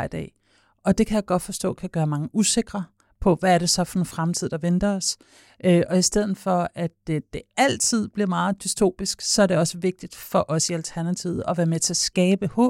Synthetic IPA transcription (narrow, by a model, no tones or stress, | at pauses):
id̥ɛ̰ː | ɒ̽d̥e̝kʰæjäɡ̥ɒ̽d̥fɒ̽sd̥ɔ̰̽ːkʰæɡ̥ɶːɐmɑ̈ŋəuse̝ɡ̥ʁɐ | pʰɒ̽ʋæːɐɾe̝sɒ̽fɒ̽ne̝nfʁamt͡sʰið̞̰ˠd̥ɑ̈ʋend̥ɐɒs | ʔøʔɒ̽isd̥eð̰ˠðn̩ˠfɒ̽æd̥d̥e̝æl̰t͡sʰið̰ˠb̥liɐmɑ̈ːð̩ˠd̥ystʰo̝̰ːb̥isɡ̥sɒ̽æɐɾ̥e̝ɒ̽səʋe̝ɡ̥̚d̥id̥fɒ̽ʔɒ̽siælt͡sʰæɐnæt͡sʰið̩ˠɒ̽ʋæːɐmet͡sʰe̝æsɡ̥ɛːb̥əhɔ̰̽ː